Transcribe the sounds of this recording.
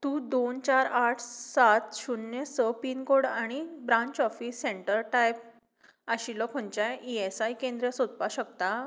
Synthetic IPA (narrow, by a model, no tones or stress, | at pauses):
t̪ũːd̪ont͡ɕaɾaʈʰsat̪ɕunjesəpinkoɽaɽ̃ibɾãɲt͡ɕɔfisːeɳʈəɾʈajp̚ | aɕilɔkʰõnt͡ɕaiesajkẽnd̪ɾesod̪̚paɕəkt̪a